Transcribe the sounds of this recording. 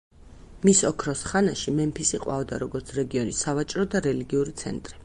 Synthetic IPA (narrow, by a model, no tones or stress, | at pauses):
misɔkʰɾɔsχanaʃimɛmpʰisiqʼwa̰vd̪aɾɔɡɔɾt̪sʰɾɛɡiɔnisavat͡ʃʼɾɔd̪aɾɛliɡiuɾit̪sʰɛ̰nt̪ʼɾi